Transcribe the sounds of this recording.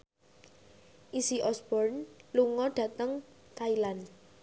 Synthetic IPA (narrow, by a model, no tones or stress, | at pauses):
ʔisiʔɔsbɔrnluŋɔɖ̥ä̤t̪əŋt̪ailan